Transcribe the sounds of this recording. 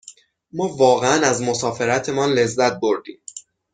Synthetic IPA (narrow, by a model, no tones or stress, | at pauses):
mɒːvɒːɣeænæzmo̞sɒːfe̞ɾæt̪ʰe̞mɒːnle̞zːæt̪̚bo̞ɾd̪ḭːm